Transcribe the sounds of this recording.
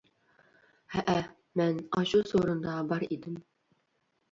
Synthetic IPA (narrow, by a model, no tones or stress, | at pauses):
æʔæ | mænɑɕusoɾɤ̆nd̪ɑbɑɾḭd̪ɘm